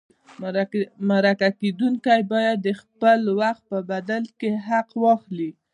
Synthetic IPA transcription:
maɾakaked̪uŋkajbɑjad̪ːəxpəlwaxt̪̚pəbad̪alkeɦaqwɑxli

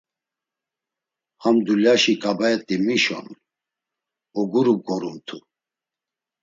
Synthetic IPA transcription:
hamd̪ulaʃikʼabaɛt̪ʼimiʃɔ̰n | ɔɡuɾuɡɔɾumt̪ʰu

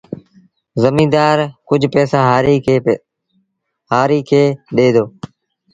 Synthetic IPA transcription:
zəmĩːd̪aːɾkʊd͡ʒʱpɛːsaːɦaːɾiː | ɦaːɾiːkʰeːɗeːd̪oː

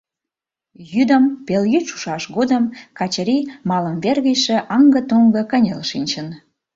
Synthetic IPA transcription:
jyd̪ə̆mpeljyʃu̥ʃɑʃɣod̪əmkɑt͡ɕəɾimɑlə̆mβerɣə̆jʃĕʔɑŋɡə̆t̪oŋɡɤ̆kənʲelʃinʲt͡ɕən

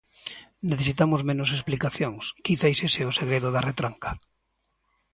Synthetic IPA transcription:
neθes̬it̪amʊzmẽnʊs̬esplikaθjoŋskiθajseseʊseɣɾeðʊðaret̪ɾaŋkḁ

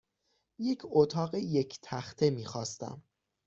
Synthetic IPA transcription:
je̞cʰot̪ʰɒːɢe̞je̞cʰt̪ʰæxt̪ʰe̞miːxɒːst̪æ̰m

